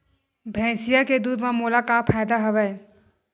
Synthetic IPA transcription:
bʱɛ̃ːsɪjaked̪uːd̪mãmoːlakapʰaːjd̪aɦɐʋɛ

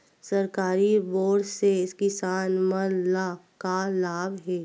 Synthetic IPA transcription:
sɐɾkaːɾiboːɽseɪskisaːnmənlakalaːbɦɛː

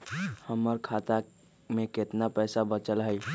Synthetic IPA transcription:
həməɾkʰat̪a | meket̪napəɪsabət͡ʃəlɦəj

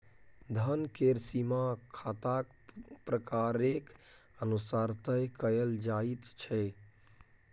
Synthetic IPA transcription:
d̪ʱənkeɾsimakʰat̪ak | pɾəkaɾek | ənusaɾt̪əjkəjəld͡ʒait̪t͡ʃʰɛ

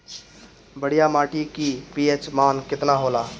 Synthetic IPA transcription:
bəɽ̤ijamaːʈikipiet͡ʃmaːnkɪt̪naɦoːlaː

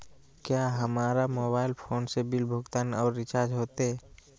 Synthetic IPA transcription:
kjaɦəmaːɾamoːbaːɪlpʰoːnsebɪlbʱʊɡt̪aːnɔːɾːɪt͡ʃaːɾd͡ʒɦoːt̪eɛ

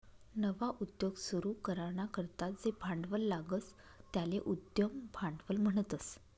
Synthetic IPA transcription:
nəʋaʔud̪joɡsuɾuːkəɾaɳakəɾt̪at̪̚d͡zebʱaɳɖʋəlːaɡət͡s | t̪jaleʔud̪jəmbʱaɳɖʋəlm̤əɳ̃ət̪əs

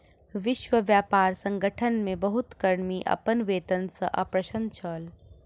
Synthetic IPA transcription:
ʋɪʃʋəʋjaːpaːɾsɐ̃ŋɡəʈʰənmẽbɐɦʊt̪kɐɾmiʔɐ̰pənʋeːt̪ənsɐʔɐ̰pɾɐʃə̃nt͡ʃʰəːl

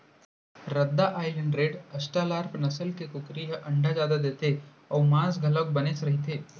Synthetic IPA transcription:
ɾɐd̪ːaʔaːɪləɳɖɾeːɖɐsʈaːlaːɾpnɐsəlkekʊkɾiɦʔɐ̃ɳɖʱad͡ʒjaːd̪ad̪eːt̪e | ɔːmãːsɡʱɐlək̚bɐnesɾɐɦit̪ʰeː

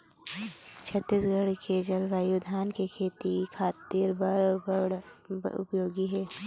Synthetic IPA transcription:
t͡ʃʰɐt̪ːisɡəɽkʰeːd͡ʒəlʋaːjud̪ʱaːnkekʰeːt̪ikʰaːt̪iːɾbɐɾbəɽʊ̰pjoːɡiɦɛː

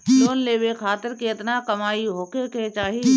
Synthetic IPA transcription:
d͡ʒoːnleːbekʰaːt̪ɪɾkiɪt̪nakɐmaːiɦoːkeket͡ʃaːɦi

